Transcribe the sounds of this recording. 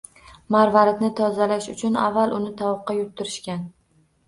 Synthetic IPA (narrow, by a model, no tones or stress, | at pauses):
maɾvaɾɪt̪nɪt̪ʰɒzalaʃʊt͡ʃʰʊna̰vːalˠʔʊnɪt̪ʰɒwɨqːɑjʊt̪ʰːɪɾɪʃkʲan